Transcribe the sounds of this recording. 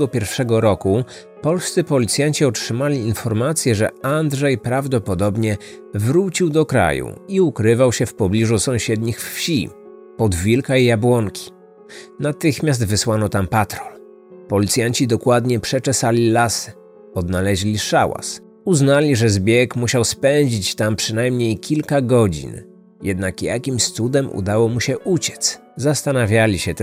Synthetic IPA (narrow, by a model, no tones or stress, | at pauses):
ɡɔpʲɛɾfʂɛɡɔɾɔku | pɔlst̪sɘpɔlʲit̪sʲjaɲt͡ɕiɔtʂɘmalʲiːnfɔɾmat̪sʲjɛʐɛ̰and̪ʐɛjpɾavd̪ɔpɔd̪ɔbɲɛ | vɾut͡ɕiwd̪ɔkɾa̰jṵiukɾɘvawɕɛfpɔblʲiʐusɔ̃w̃ɕɛd̪ɲixffɕḭ | pɔd̪vʲilkajabwɔŋkʲʰi̥ | nat̪ɘxmʲjas̬d̪vɘswanɔt̪ampat̪ɾɔl | pɔlʲit̪sʲjaɲt͡ɕid̪ɔkwad̪ɲɛpʂɛt͡ʂɛsalʲilasɪ̥ | ɔd̪nalɛʑlʲiʂawa̰s | uznalʲiʐɛzbʲjɛkmuɕawspɛɲd͡ʑit͡ɕt̪ampʂɘnajmɲejkʲilkaɡɔd͡ʑḭn | jɛd̪nakja̰kʲimst̪sud̪ɛmṵd̪awɔmuɕɛʔut͡ɕɛ̥t̪s | zast̪anavʲjalʲiɕɛt̪